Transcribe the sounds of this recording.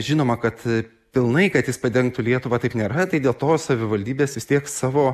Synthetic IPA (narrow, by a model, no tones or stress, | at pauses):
ʒʲɪnoːmɐkɐt̪ | pʲɪlˠnɐɪkɐt̪jɪspɐd̪ʲɛŋk̚t̪ʊlʲiɛt̪ʊʋɐːt̪ɐɪpnʲeːɾɐt̪ɐɪd̪ʲeːlˠt̪oːsɐʋʲɪʋɐlʲd̪ʲiːbʲeːsʋʲɪst̪ʲiɛksɑːʋoː